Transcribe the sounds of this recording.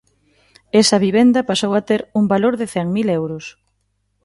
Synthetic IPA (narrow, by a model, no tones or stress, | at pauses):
esɐβiβend̪ɐpasowat̪eɾuŋbaloɾðɪθɛŋmilewɾʊs